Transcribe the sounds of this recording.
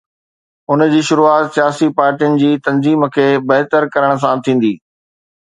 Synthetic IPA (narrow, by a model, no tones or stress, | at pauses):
ʊnd͡ʑiːʃʊɾuaːt̪sijaːsipaːɾʈijənɪ̆d͡ʑiːt̪ɐ̃nziːmkʰeːbɐɦt̪əɾkɐɾəɽ̃s̬ãt̪ʰĩːn̆d̪iː